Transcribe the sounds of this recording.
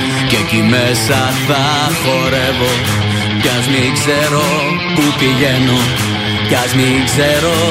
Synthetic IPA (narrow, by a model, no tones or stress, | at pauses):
cecime̞sɐ | θɐ | xo̞ɾe̞vo | ceɐznikzeɾo̞ | pupiʝe̞no | cɐznikzseɾo